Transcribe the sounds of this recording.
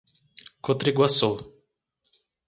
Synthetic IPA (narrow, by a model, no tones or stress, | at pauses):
kot̪ɾiɡwaso